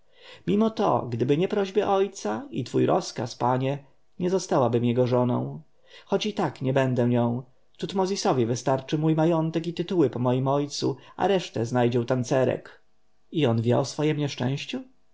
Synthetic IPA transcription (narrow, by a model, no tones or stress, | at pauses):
mʲimɔt̪ɔ̰ɡd̪ɘbɘɲɛpɾɔʑbɘʔɔjt̪sait̪fujɾʔɔ̰ska̰spaɲɛ | ɲɛzɔst̪awabɘmjɛɡɔʐɔnɔ̰̃w̃ | xɔt͡ɕit̪akɲɛbɛnd̪ɛ̃ɲɔ̃w̃ | t̪ut̪mɔzʲisɔvʲjivɘst̪aɾt͡ʂɘmujmajɔnt̪ɛkit̪ɘt̪uwɘpɔmɔjimɔjt̪suʔa̰ɾɛʂt̪ɛznajd͡ʑɛwt̪ant̪sɛɾɛ̰k | iɔnvʲjɛ̰ɔsfɔjɛmɲɛʂt͡ʂɛ̰̃w̃ɕt͡ɕu